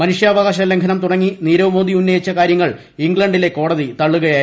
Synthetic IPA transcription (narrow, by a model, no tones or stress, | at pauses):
mɐnuʂjɐːʋɐɣaːɕ̬ɐle̞ŋɡʰʱɐnɐmt̪uɽɐŋːiniːɾoːmoːd̪iunːɐjit͡ɕːɐkaːɾjɐŋːɐɭ | iŋɡɭɐɳɖile̞ko̞ːɽɐðit̪ɐɭːuɣɐjaːj